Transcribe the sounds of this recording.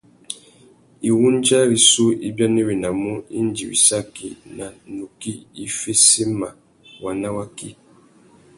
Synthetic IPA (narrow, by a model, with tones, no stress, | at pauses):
i˨wu˦n˦d͡ʒa˦ɾi˨su˦i˦bja˦ne˦we˨na˨mu˦i˦n˦d͡ʒi˨wḭ˨sa˦ki˨na˨nu˨ki˦i˦fe˦si˦ma˨ | wa˨na˦wa˦ki˦